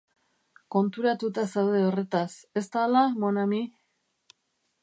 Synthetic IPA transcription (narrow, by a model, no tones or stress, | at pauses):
ko̞nt̪uɾat̪ut̪asawðeo̞re̞t̪ase̞st̪alamonami